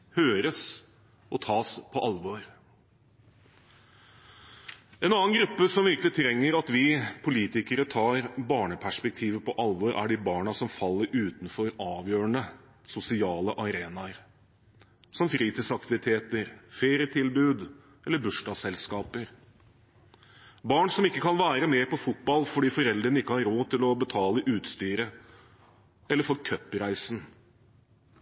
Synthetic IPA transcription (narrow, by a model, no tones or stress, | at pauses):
høːɾəs | ʔɔt̪ʰɑːspʰɔʔɑlʋɔɾ | ɛnɑːnɡɾʉpːəsɔmʋɪɾkəlɪt̪ʰɾɛŋːəɾɑt̪ʋɪpʰʊliːt̪ɪkəɾət̪ʰɑːɾbɑːɳəpʰæʂpɛk̚t̪ʰiːʋəpʰɔʔɑlʋɔɾʔæ̰ɖɪbɑːɳɑsɔmfɑlːəɾʉːt̪n̩fɔɾɑːʋjøːɳə | sʊsɪɑːləʔɑɾeːnɑəɾ | sɔmfɾiːt̪ɪːsɑk̚t̪ɪʋɪt̪ʰeːt̪əɾfeːɾɪət̪ʰɪlbʉːd̪ | ʔɛlːəɾbʉʂɖɑsɛlskɑːpəɾ | bɑːɳsɔmɪkːəkʰɑnʋæːɾəmeːɾpɔfʊt̪̚bɑlfɔɖiːfɔɾɛld̪ɾənəɪkːəhɑɾɾoːt̪ʰɪlɔbət̪ʰɑːləʔʉːt̪st̪yːɾə | ɛlːəfɔɾkʰœpːɾæɪsn̩